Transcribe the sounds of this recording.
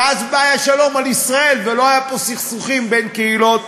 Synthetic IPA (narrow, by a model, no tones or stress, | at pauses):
azbaːjaʃalo̞malisʁae̞lvelo̞ajapo̞siχsuχimbe̞nkeilo̞t̪